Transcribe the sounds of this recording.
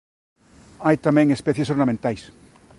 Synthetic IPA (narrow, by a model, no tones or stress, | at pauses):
ajt̪amɛ̃ŋespɛθjesoɾnamẽnt̪ajs